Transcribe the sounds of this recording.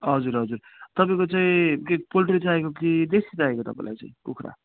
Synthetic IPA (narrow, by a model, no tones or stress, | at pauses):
ɦʌd͡zuɾɦʌd͡zuɾt̪ʌpaĩkot͡saĩkek̚polʈɾit͡saekokid̪esid͡zaekot̪ʌpãḭ̃la̰jt͡sã̰ĩpukʰɾa̰